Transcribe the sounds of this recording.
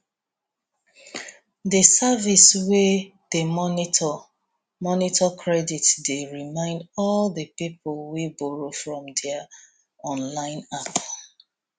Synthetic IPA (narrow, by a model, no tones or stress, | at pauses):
dəsaviswe | d̥emɔni | mɔnitʰɔkʰɹɛditdeɹimãɪ̃ndɔldəpipʰolwibɔɹofɹɔ̃mdɛa | ɔ̃nlãɪ̃nap